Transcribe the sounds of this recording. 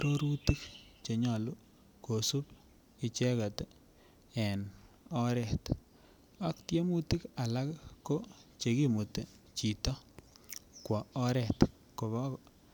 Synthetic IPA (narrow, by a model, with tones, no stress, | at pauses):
ɾo˦ɾu˦ti˦kt͡ʃe˨ɲɔ˨lu˦ | ko˨su˦p | ɪ˨t͡ʃɛ˦ka˨t | ɛ˨n | ɔ˦ɾɛ˨t | a˦k̚tje˦mu˦ti˦ka˨la˦kkːo˦t͡ʃe˨ki˦mu˨te˨ | t͡ʃi˨tɔ˦ | kwa˨ɔ˦ɾɛ˨t | ko˨βɔ˦k